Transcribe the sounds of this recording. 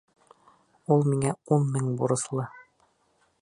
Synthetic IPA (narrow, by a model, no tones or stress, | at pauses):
ulˠmiŋæunmɘŋbuɾɤ̆slˠɤ